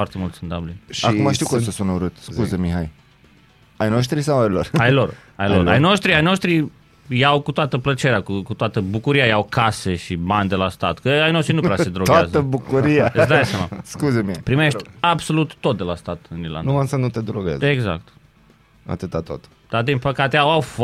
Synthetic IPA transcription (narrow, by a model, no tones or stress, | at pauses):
fart̪emult̪sɨnd̪ablinʲʃaiumaʃt̪iukosəsunəuɾɨt̪suzemiɦaj | ajnoʃ̬t̪ɾisawajlorajlo̞rajlora̰jnoʃt̪ɾiajno̞ʃt̪ɾi | jawkut̪oat̪əplət͡ʃe̞ɾeakukut̪oat̪əbukuɾiajawkʰase̞ʃibanʲd̪e̞last̪at̪kəajno̞ʃt̪ɾinunɾeasəd̪ɾot̪ɡaazəəbukuɾiad̪ajsama̰skuzemihjpɾimeʃʲabso̞lut̪ːo̞t̪̚d̪elast̪at̪ɨnila̰nuamsənut̪ed̪ɾoɡḛzeɡza̰k̚t̪ | a̰t̪ɨt̪at̪o̰t̪ | d̪̥ard̪inpəkat̪eawawf